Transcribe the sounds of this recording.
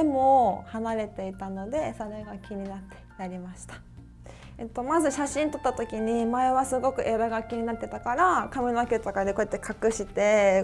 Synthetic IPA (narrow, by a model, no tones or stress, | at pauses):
emo̞hanaɾe̞t̪e̞it̪ano̞d̪e̞so̞ɾe̞ɡakʲiɲ̟inat̪ʰːe̥naɾʲimaɕi̥t̪ḁ | et̪ːo̞mazɨɕaɕĩnt̪o̞t̪ːat̪o̞kʲiɲ̟imae̞βasɨɡo̞kɯ̟ʔe̞ɾaɡakʲiɲ̟inat̪ːet̪akaɾakamʲinoakʲet̪akad̪ekoet̪ːe̞kʰakɯ̟ɕit̪e̞